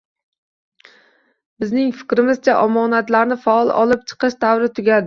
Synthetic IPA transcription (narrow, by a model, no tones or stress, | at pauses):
bɪznɪŋfɪ̥kʲɾɪmɪzt͡ʃʰaʔɒmɒnat̪laɾnɪfaɒlˠʔɒ̰lˠɪp̚t͡ʃʰɨ̥qɨʃd̪avɾɪt̪ʰʊɡʲad̪